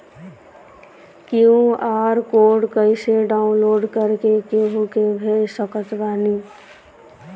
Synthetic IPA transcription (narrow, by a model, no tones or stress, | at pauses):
kiũaɾkoɖkəɪseɖaʊũnloːɖkəɾkekeɦukebʱelsəkət̪bani